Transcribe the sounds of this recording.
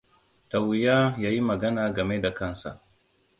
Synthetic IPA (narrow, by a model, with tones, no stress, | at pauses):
ta˨wɪ˨jaː˦jaː˦ji˦mɐ˨ɡɐ˦naː˨ɡɐ˨me˦da˨kɐ˦˨nsa̰˨ʔ